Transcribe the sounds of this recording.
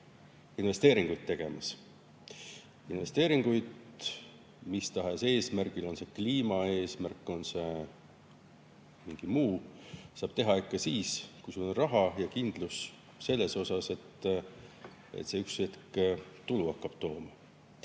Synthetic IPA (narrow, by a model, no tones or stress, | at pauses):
inve̞st̪e̞ːɾiŋɡ̥ujd̪̚t̪ːe̞ɡ̥e̞mɑs | inve̞st̪e̞ːɾiŋɡ̥ujd̪̥ | mist̪ɑɦese̞ːsmærɡ̥ilo̞nse̞kliːmɑe̞ːsmærkːˑo̞nse̞ | miŋɡ̥imuːsɑːb̥t̪e̞ɦɑikːˑɑsiːskujsulonrɑɦɑjɑkind̪̥lus | se̞lːe̞so̞sɑse̞t̪ː | ḛt̪se̞yksvet̪kt̪uluɑkːɑb̥t̪o̞ːmɑ